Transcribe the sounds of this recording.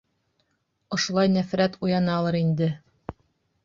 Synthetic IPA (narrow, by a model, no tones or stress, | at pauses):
ŏʃŏlˠɑjnæfɾæt̪ujɑnɑːlˠɤɾind̪ɘ